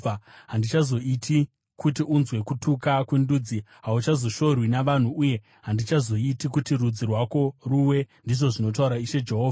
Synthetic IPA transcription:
aɦandit͡ʃazo̞itʰi | kutiʔunzwe̞kutukakwenduːd͡ziɦaut͡ʃazo̞ʃo̞rwinaʋan̤uʔuje̞ | ɦandit͡ʃazo̞itikutirud͡zirwako̞ruwe̞ndiʐo̞ʐino̞t̬auɾaiʃe̞d͡ʒe̞ɦoːva

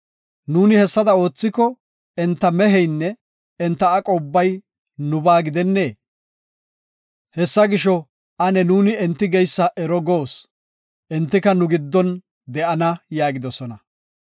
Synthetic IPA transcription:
nuːnɪhɛsːɐd̪ɐo̞ːt͡sːɪkːɔ | ɛnt̪ːɐmɛɦɛjnːɛ | ɛnt̪ːɐːkʼɔbːɐj | nʊbaːɡɪd̪ɛnːe̞ː | hɛsːɐɡɪʃɔ | ɐnɛnuːnɪɛnt̪ːɪɡɛjsːɐʔɛɾɔɡo̞ːs | ʔɛnt̪ːɪkɐnʊɡɪd̪ːɔn | d̪ɛʔɐnɐjaːɡɪd̪ɔsɔnɐ

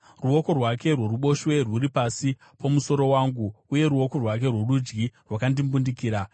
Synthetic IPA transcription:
ruo̞ko̞rwake̞rwo̞ruɓo̞ʃwe̞rwuɾipasi | pʰomuso̞ɾo̞waːŋɡuːje̞ɾuwo̞ko̞rwak̬e̞rwe̞rud͡ʒɡirwakandimbundikiːɾa

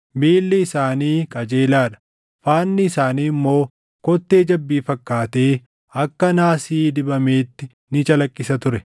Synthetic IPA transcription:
miːlːɪɪsaːniːkʼɐd͡ʒe̞ːlaːᶑɐ̥ | faːnːɪɪsaːniːɪmːo̞ː | kɔt̪ːe̞ːd͡ʒɐbːiːfɐkːaːt̪e̞ː | ɐkːɐnaːsiːd̪ɪbɐme̞ːt̪ːɪ | nɪt͡ʃʼɐlɐkʼːɪsɐt̪ʊɾɛ

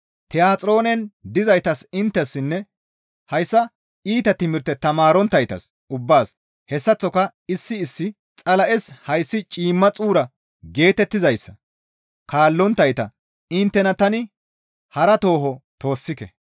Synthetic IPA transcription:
t̪ɛjaːt͡sʼɾo̞ːnɛnd̪ɪzɐjt̪ɐsɪnt̪ːɛsːɪnːɛ | hɐjsːɐ | iːt̪ɐt̪ɪmɪɾt̪ːɛt̪ɐmaːɾɔnt̪ːɐjt̪ɐ̰s | ʊbːaːs | hɛsːɐt͡sːɔkɐ | ɪsːɪːsːɪ | t͡sʼɐlɐʔɛshɐjsːɪt͡ʃʼiːmːɐt͡sʼuːɾɐ | ɡe̞ːt̪ɛt̪ːɪzɐjsːɐ̰ | kaːlːɔnt̪ːɐjt̪ɐ̰ | ɪnt̪ːɛnɐt̪ɐnɪ | hɐɾɐt̪o̞ːɦɔt̪o̞ːsːɪkɛ̰

